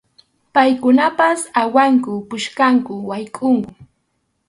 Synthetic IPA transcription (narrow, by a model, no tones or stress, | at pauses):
pajkʊnapasawaŋkʊpʊʃkaŋkʊwajkʼʊŋkʊ